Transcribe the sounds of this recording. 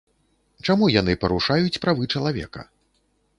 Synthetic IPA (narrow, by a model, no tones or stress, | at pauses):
t͡ʂamujan̪ɨpɐɾuʂajut͡sʲpɾavɨt͡ʂɐlˠavʲɛ̰kɐ̰